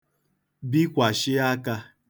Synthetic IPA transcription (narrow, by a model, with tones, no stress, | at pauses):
bi˦kʷa˨ʃɪ˦a˦ka˦